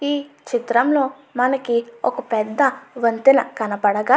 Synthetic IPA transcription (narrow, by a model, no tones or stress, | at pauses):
iː | t͡ʃit̪ɾɐmlo̞ː | mɐnɐkiɔ̰kɐpɛd̪ːɐʋɐnt̪inɐkɐnɐpɐɽɐɡa